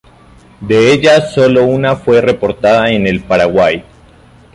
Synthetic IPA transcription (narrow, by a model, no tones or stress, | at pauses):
d̪e̞eʎaso̞lo̞unafwe̞re̞po̞ɾt̪aðaene̞lpaɾaɣwaj